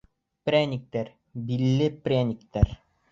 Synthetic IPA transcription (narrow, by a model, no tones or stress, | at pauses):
pɾʲænʲik̚t̪æɾ | bilːɘprʲænʲikt̪æɾ